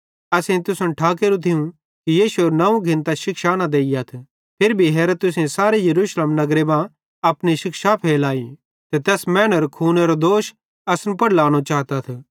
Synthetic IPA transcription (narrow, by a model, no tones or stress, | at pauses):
ɐsẽt̪ʊsənʈʰaːkeːɾũt̪ʰɪũ | kijiːʃueɾnɐũɡʱɪ̃nt̪aʃɪkʃaːnad̪eːijat̪ʰ | pʰɪɾbʱiɦeːɾət̪ʊsẽsaːɾejɐɾuːʃleːmnɐɡɾebã | ɐpniʃɪkʃapʰeːlaːi | t̪et̪ɛːsmɛːnəɾkʰuːneɾod̪oːʃ | ɐsnpɐɽlaːɽ̃ot͡ʃaːɦt̪at̪ʰ